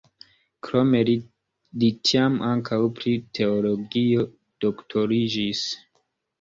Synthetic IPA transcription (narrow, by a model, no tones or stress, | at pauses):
kɾo̞me̞l | litʰiamʔaŋkʰawpɾitʰe̞olo̞ɡio̞ | d̥oktʰo̞ɾid͡ʒis